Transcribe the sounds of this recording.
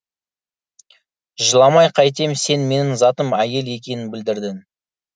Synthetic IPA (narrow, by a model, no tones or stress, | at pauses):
ʒəlˠɑmɑjqʰɑjt̪̬e̞mse̞nme̞nɪŋzɑt̪əmæje̞le̞kʲe̞nɪnbɪld̪ɪɾd̪ɪn